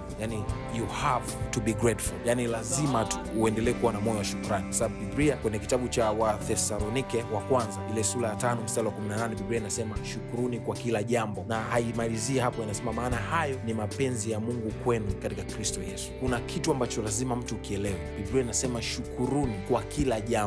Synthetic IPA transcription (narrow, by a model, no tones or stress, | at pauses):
jani | juhavtubiɡɾɛtfuljanilazimatu̥uɛndɛlɛɛkuwanamɔjɔwaʃukuɾanikwasaɓaɓuɓibɾiakwɛɲɛki̥taɓut͡ʃawaθɛsalɔnikɛwakwanzailɛsulajatanɔm̩stalɛwakuminananɛɓibɾiainasɛmaʃukuɾunikwakilaʄambɔnahaimaliziɛhapɔjanasɛmamaːnahajɔnimapɛnzijamuŋɡukwɛnukatikakɾistɔjɛsu̥kunakʰituambat͡ʃɔlazimam̩tuːkiɛlɛwɛɓibɾiainasɛmaʃukuɾunikwakilaʄam